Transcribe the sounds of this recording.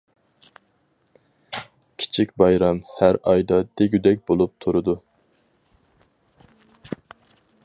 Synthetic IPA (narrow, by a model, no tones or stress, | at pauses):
kʲʰi̥t͡ʃʰikʲbɑjɾɑmhæɾɑjd̪ɑd̪̥eɡʲyd̪ɛk̚ʲbolˠup̚t̪ʰuɾʊd̪u